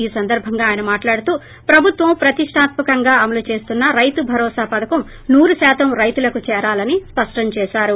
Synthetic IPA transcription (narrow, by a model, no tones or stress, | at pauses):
iːsɐnd̪ɐɾbʱɐŋɡaːjɐnɐmaːʈlaːɽut̪uː | pɾɐbʱut̪ʋɐmpɾɐt̪iʂʈʰaːt̪mɐkɐŋɡaːɐmɐlut͡ʃe̞ːst̪unːɐɾɐjt̪ubʱɐɾɔːsaːpɐd̪ʱɐkɐm | nuːɾusaːt̪ɐmɾɐjt̪ulɐkut͡ʃɛːɾaːlɐnispɐʂʈɐɲt͡ʃɛːʃaːɾu